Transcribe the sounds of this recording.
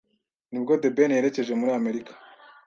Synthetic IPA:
nibɡo̞de̞benjeɾe̞ce̞ʒemuɾiame̞ɾikḁ

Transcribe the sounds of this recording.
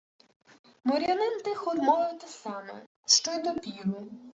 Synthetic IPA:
mɔɾʲɐnɪnt̪ɪxɔd̪mɔʋɪt̪ɪsɑmɛ̰ | ʃt͡ʃɔjd̪ɔpʲiɾʊ

